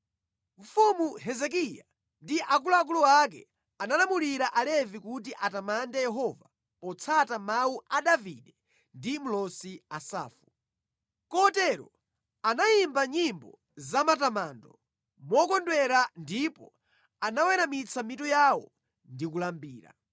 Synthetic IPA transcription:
ɱ̩fumuɦɛzɛk̬ija̰ | ndiʔak̬uluak̬uluwak̬ɛ̰ | analamuliɾaʔalɛvikutiʔatamandɛjɛɦɔva | pɔt͡sʰatamawuʔaɗavḭɗɛ | ndim̩lɔsiasa̰ːfu̥ | kɔtɛɾɔ̰ | anajimbaɲimbɔ | zamatamaːndɔ | mɔkɔndwɛɾandipɔ | anawɛɾamit͡sʰamitujawɔ̰ | ndik̬ulambiːɾa̰

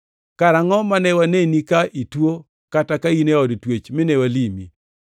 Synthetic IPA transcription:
kaɾaŋɔmanɛwanenikaʔitwo | katakaineɔdtwet͡ʃmɪnewalimḭ

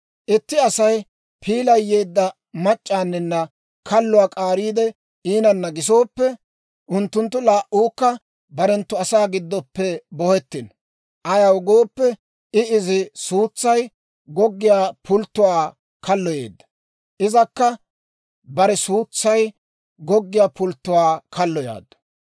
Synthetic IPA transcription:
ʔɪt̪ːɪɐsɐj | pʰiːlɐjːe̞ːd̪ːɐ | mɐt͡ʃʼːaːnːɪnːɐ | kʰɐlːʊwaːkʼaːɾiːd̪ɛ | iːnɐnːɐɡɪs̬o̞ːpːɛ | ʔʊnt̪ːʊnt̪ːʊlaːʔuːkːɐ | bɐɾɛnt̪ːʊɐsaːɡɪd̪ːɔpːɛbɔhɛt̪ːɪn | ʔɐjɐwɡo̞ːpːɛ | ɪɪzɪsuːt͡sːɐj | ɡɔɡːɪjaːpʰʊlt̪ːʊwaː | kɐlːɔjḛːd̪ːɐ̥ | ʔɪzɐkːɐ | bɐɾɛsuːt͡sːɐj | ɡɔɡːɪjaːpʊlt̪ːʊwaːkʰɐlːɔja̰ːd̪ːɔ̥

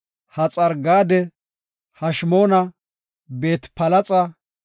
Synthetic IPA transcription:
hɐt͡sʼɐɾɡaːd̪ɛ | hɐʃmo̞ːnɐ | be̞ːt̪pɐlɐt͡sʼɐ

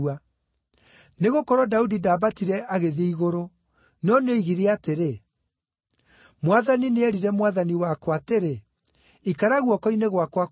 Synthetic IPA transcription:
a | neɣokɔɾwɔdaudidaːbatiɾɛaɣeðeiɣoɾo | nɔnoiɣiɾeateɾe | mwaðanineɛɾiɾɛmwaðaniwakwateɾe | ikaɾaɣwɔkɔineɣwakwa

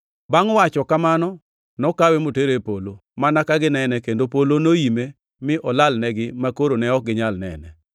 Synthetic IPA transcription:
baŋwat͡ʃɔkamanɔ | nɔkawemoteɾepolomanakaɡɪnɛnɛkendopolonoime | mɪʔɔlalnɛɡɪmakoɾonɛɔk̚ɡɪɲalnɛ̰nɛ̰

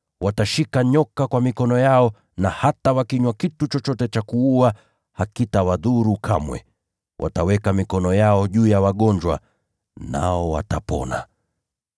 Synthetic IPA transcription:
wataʃikaɲɔkakwamikɔnɔjaɔ | nahatawakiɲwakitut͡ʃɔt͡ʃɔtɛt͡ʃakuua | hakitawaðuɾukʰamwɛ̰ | wʔa̰tawɛkamikɔnɔjaɔʄuːjawaɠɔɲd͡ʒwa̰ | na̰ɔwa̰tapɔ̰na̰

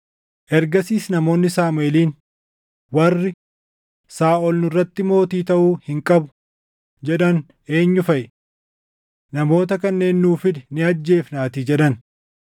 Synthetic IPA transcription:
ʔɛɾɡɐsiːsnɐmo̞ːnːɪsaːmʊeːliːn | wɐrːɪ | saːʔɔlnʊrːɐt̪ːɪmo̞ːt̪iːt̪ɐʔuːhɪŋkʼɐbʊ̥ | d͡ʒɛᶑɐn | e̞ːɲːʊfɐʔɛ | nɐmo̞ːt̪ɐkɐnːe̞ːnːuːfɪd̪nɪɐd͡ʒːe̞ːfnaːt̪iːd͡ʒɛᶑɐn

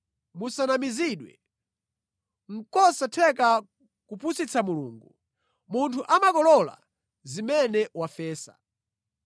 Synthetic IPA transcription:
musanamiziɗwɛ̰ | ŋ̩kɔsatʰɛk̬a | kupʰusit͡sʰamuluːŋɡu | muntʰuʔamakɔlɔla̰ | zimɛnɛwafɛːsa̰

